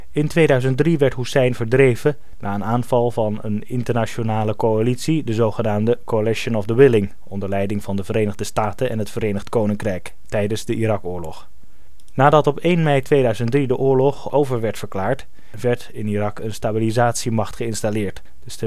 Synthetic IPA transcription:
ɪntʋejdœɥzənt̚driʋɛɹtɦusɛjnvəɹdrejvə | naːənaːnvɑlˠvɑnə̰nɪntəɹnat͡ʃonaːləkowalitsidəzowχənaːmdəkoalɪʃənɔvdəwɪlɪŋ | ɔndəɹlɛjdɪŋvɑndəvəɾejnəχdəstaːtənɛ̰nɦətfəɾejnəχtkownɪŋkrɛjk | tɛjdənzdəʔirɑkʊːɹlɔχ | naːdɑtɔpejnmɛjtʋejdœɥzəntdridəʔʊːɹlɔχowvəɹʋɛɹtfəɹklaːɹt | ʋɛɹtɪnirɑkənstabilizaːtsimɑχtχəɪnstalɪːɹt | ə

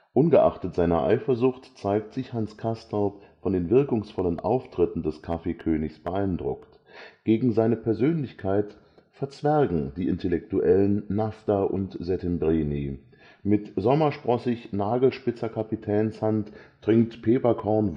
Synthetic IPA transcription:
ʔʊnɡəʔa̰χtətz̥aɪnɐʔa̰ɪfɐzʊχtt͡saɪk̚tz̥ɪçhanskʰastaʊpfɔndeːnvɪɐkʊŋsfɔlənʔa̰ʊftʁ̥ɪtn̩dɛskʰafekʰøːnɪçsb̥əʔaɪndʁʊ̰kt | ɡ̥eːɡŋ̩zaɪnəpʰɛɐzøːnlɪçkʰaɪt | fɛɐt͡sv̥ɛɐɡŋ̩diːʔɪntɛlɛktuʔɛlənːaftaʔʊ̰ntz̥ɛtɛmbʁeːni | mɪtzɔmɐʃpʁ̥ɔsɪçnaːɡl̩ʃpɪt͡sɐkʰapitʰɛːnshantdʁ̥ɪŋk̚tpʰeːpɐkʰɔɐn

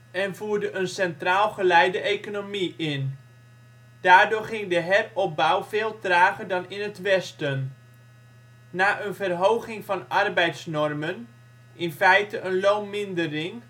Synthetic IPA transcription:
ɛnvuːɹdəʔənsɛntraːlˠχəlɛjdəʔejkonomiɪn | d̥aːɹdʊːɹχɪŋdəɦɛrɔp̚bawveːlˠtraːχərdɑnɪnətʋɛstən | aːʔənvərɦowχɪŋvɑnɑrbɛjtsnɔrmən | ʔɪnfɛjtəʔənlownmɪndərɪŋ

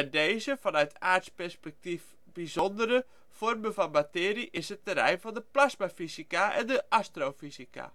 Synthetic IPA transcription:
ɛdejzəfɔnœɥtʰaːtspɛrspɛk̚tif | b̥izondərə | fɔrməvɔnmatɪːɾiʔɪsətːərɛ̰jnvɔndəplasmafizikaɛ̰ndəʔastrofizika̰

